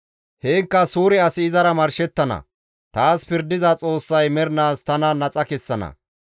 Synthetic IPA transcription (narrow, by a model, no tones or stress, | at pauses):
heːŋkːɐsuːɾɪɐsɪɪzɐɾɐmɐɾʃɛt̪ːɐnɐ̰ | t̪aːspɪɾd̪ɪzɐt͡sʼo̞ːsːɐjmɛɾnaːst̪ɐnɐnɐt͡sʼɐkɛsːɐnɐ̰